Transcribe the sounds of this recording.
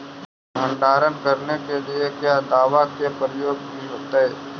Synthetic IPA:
ɦə̃ɳɖaːɾənkɐɾnekeliekjaːd̪aːʋakepəɾɪjoːɡnɦĩɦoːt̪aɦɛː

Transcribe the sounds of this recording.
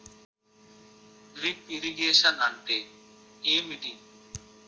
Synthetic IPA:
ɾipiɾiɡeːʃənəɳʈeː | eːmiʈiŋ

